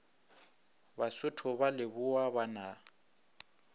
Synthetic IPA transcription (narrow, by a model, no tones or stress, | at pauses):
basʊtʰʊbalɪbʊwabana